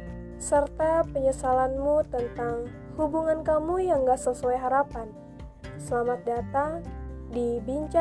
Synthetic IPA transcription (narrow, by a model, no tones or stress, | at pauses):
sərt̪apəɲəsalanmut̪ənt̪aŋ | hubuŋankamujaŋɡaʔsəsuajɦaɾapan | səlamat̪̚dat̪adibiɲt͡ʃa